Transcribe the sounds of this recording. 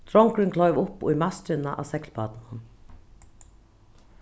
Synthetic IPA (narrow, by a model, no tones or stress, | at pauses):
t̪ʰɾɔŋkɾɪnkʰlɔʏʋʊpʊ̰jmast̪ɾɪnaʔa̰sɛklpaːt̪nnan